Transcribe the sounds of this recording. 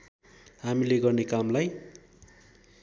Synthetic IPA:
ɦamileɡʌrnekamlaj

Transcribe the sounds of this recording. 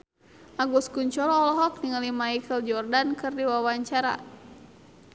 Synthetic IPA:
ʔaɡuskuɲt͡ʃɔɾɔːlɔɦɔk̚niŋalimaikʰəld͡ʒɔrdankɨrdiwawaɲt͡ʃaɾa̰

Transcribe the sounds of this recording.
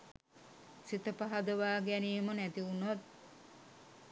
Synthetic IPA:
sit̪əpaɦad̪əʋaːɡæniːmənæt̪iunat̪̚

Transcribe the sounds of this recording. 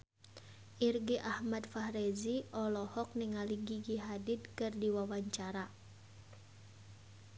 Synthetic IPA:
ʔirɡiʔahmad̪fahɾɛziʔɔlɔhɔk̚niŋaliɡiɡiɦadit̪̚kɨrdiwawaɲt͡ʃaɾa

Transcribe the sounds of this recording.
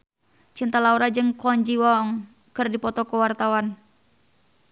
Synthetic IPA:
t͡ʃint̪alauɾad͡ʒɨŋkɔɲd͡ʒiwɔŋ | kɨrdipɔt̪ɔkuwart̪awan

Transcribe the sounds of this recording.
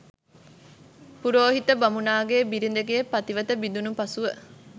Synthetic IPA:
puɾoːɦit̪əbamunaːɡeːbiɾind̪eɡeepɐt̪iʋət̪əbid̪unupɐsuʋə

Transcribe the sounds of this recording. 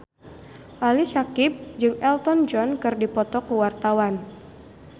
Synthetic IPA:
ʔalisakɪp̚d͡ʒɨŋɛlt̪ɔnd͡ʒɔnkɨrdipɔt̪ɔkuwart̪awan

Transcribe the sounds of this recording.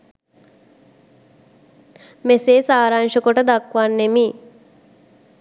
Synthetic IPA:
meseːsaːɾaŋʃəkoʈəd̪akʋanːemiː

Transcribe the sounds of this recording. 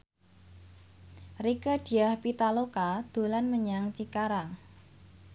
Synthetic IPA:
rikad̥i̤ahpit̪alokad̪̥o̤lanməɲaŋt͡ʃikaɾaŋ

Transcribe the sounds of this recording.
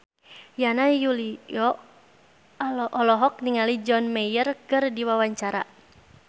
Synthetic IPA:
janajuliɔ | ʔɔlɔɦɔk̚niŋalid͡ʒɔnmɛjərkɨrdiwawaɲt͡ʃaɾa̰

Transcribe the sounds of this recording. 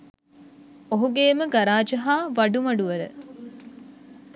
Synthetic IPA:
oɦuɡeːməɡaɾaːd͡ʒɐɦaːʋɐɖumɐɖuʋəɐɾə̰

